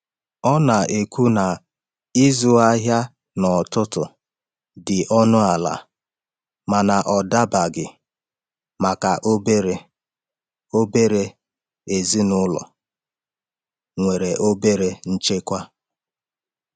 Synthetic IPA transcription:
ɔ˦na˨ʔe˨kʷu˦na˨ | ɪ˦zʊ˦a˦ɦja˦ | nɔ˨tʊ˦tʊ˨ | dɪ˨ʔɔ˦nʊ˦a˨la̰˨ | ma˨na˨ʔɔ˨da˦ba˨ɡɪ˨ | ma˨ka˨ʔo˦be˦ɾe˨ | o˦be˦ɾe˦ | e˨zi˦nʊ˦lɔ̰˨ | ŋʷe˨ɾe˨ʔo˦be˦ɾe˦n̩˦t͡ʃe˦kʷa˦

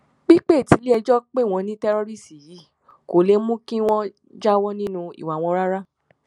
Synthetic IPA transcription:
k͡pi˦k͡pe˦˨ti˨˧˦li˦ɛ˧d͡ʒɔ˦k͡pe˦˨w̃ɔ̃˧nĩ˦tɛ˦ɾo˦ɾi˦˨si˨ji˨˦ | ko˨le˨˦mũ˦kĩ˦w̃ɔ̃˦ | d͡ʒa˦wɔ˦nĩ˦nũ˧ḭ˨wa˨w̃ɔ̃˧˦ɾa˦ɾa˦

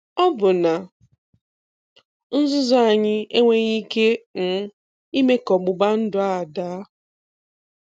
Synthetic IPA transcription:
ɔ˦bʊ˨na˨ | n̩˦zʊ˦za˦a˨ɲɪ˦e˦ŋʷe˦ɣi˦ke˦ŋ̩˨˦ | i˦me˦kɔ˨ɡ͡bʊ˨ɡ͡ba˦n̩˦dʊ˦a˦˨da˦

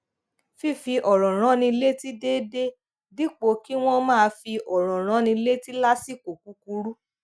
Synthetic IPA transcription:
fi˦fi˧ʔɔ˨ɾɔ̃˨ɾ̃ã˨˦nĩ˧i˧le˦ti˦de˦de˦ | di˦k͡po˧˦ki˦w̃ɔ̃˦mãː˦˧fi˧ʔɔ˨ɾ̃ɔ̃˨ɾ̃ã˨˦nĩ˧i˧le˦ti˦la˦si˦˨ko˨ku˨˦ku˧ɾu˦

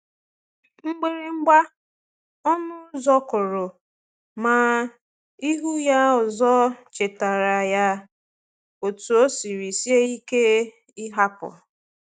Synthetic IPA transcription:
ŋ͡m̩˦ɡ͡be˦ɾi˦ŋ͡m̩˦ɡ͡ba˦ | ɔ˦nʊ˦zɔ˦kʊ˨ɾʊ˨ | ma˨ | i˦ɦu˦ja˦ɔ˨zɔ˦t͡ʃe˨ta˨ɾa˨ja˦ | o˨tu˨o˦si˨ɾi˨si˦e˦i˦ke˦ | ɪ˦ɦa˦pʊ̰˨

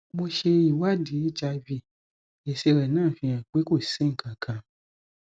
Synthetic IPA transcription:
bo˧ʃe˧i˦˨wa˦˨di˨˦d͡ʒa˧vi˧˨ | e˨se˧ɾɛ˨nãː˦˨fĩ˧j̃ã˨k͡pe˨˦ko˦˨se˦ŋ̩˨kʰã˨kʰã˧

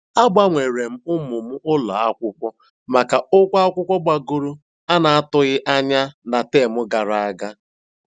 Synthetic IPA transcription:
a˦ɡ͡ba˦ŋʷe˨ɾe˨m̩˦ʊ˦mʊ˨m̩˦ʔʊ˦la˨a˦kʷʊ˦kʷɔ˦ | ma˨ka˨ʊ˦kʷa˦a˦kʷʊ˦kʷɔ˦ɡ͡ba˨ɡo˦ɾu˦ | a˦na˨a˦tʊ˦ɣɪ˦ʔa˦ɲa˦na˨te˦˨mʊ˦ɡa˨ɾa˨a˦ɡa˦

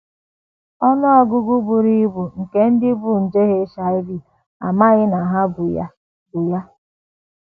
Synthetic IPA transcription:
ɔ˦nɔ˦ɔ˦ɡʊ˦ɡu˦bu˨ɾi˦bu˨ŋ̩˨ke˦n̩˦dɪ˦bu˦n̩˨d͡ʒe˦ɣe˦ʃa˨ɪ˦bi˨ | a̰˨ma˦ɣɪ˦na˨ɦa˦bʊ˨ja̰˦ | bʊ˨ja˦

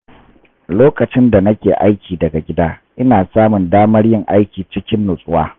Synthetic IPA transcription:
loː˦kɐ˨t͡ʃɪ˦nda˨nɐ˦kʲeː˨ʔa˦jkʲiː˨dɐ˨ɡa˨ɡʲɪ˦daː˦ʔɪ˦naː˨saː˦mʊ˨ndaː˦mɐ˦rjɪ˦ŋʔa˦jkʲiː˨t͡ʃɪ˦kʲɪ˦nːʊ˨sʼʊ˦waː˦

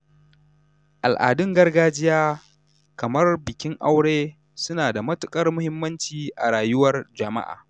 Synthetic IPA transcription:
ʔa˨lʔa̰ː˨dʊ˦ŋɡɐ˦rɡaː˦d͡ʒɪ˦jaː˦ | kɐ˨mɐ˦rbɪ˨kʲɪ˦ŋʔa˦wɽeː˦ | sʊ˦naː˨da˨mɐ˦tʊ˨kʼɐ˦rmʊ˦hɪ˦mːɐ˦nt͡ʃiː˨ʔa˨ɽaː˨jʊ˦wɐ˦rd͡ʒɐ˨ma̰˦ʔa̰ː˨

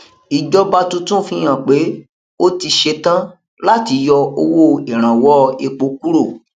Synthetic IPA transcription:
i˨d͡ʒɔ˦ba˧tũ˧tũ˦˨fĩ˧j̃ã˨k͡pe˨˦ | o˦ti˧ʃe˧tã˦ | la˦ti˧jɔ˧o˧wo˦˨e˨ɾ̃ã˨wɔ˦e˧k͡po˧˦k̚u˦ɾo˦˨

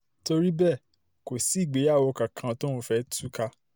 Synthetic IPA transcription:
to˧ɾi˦bɛ˦˨ | ko˨si˨˦i˦˨ɡ͡be˨˦a˦˨wo˧kã˨kʰã˧to˦ɾũ˧˦fɛ˦tu˦ka˧

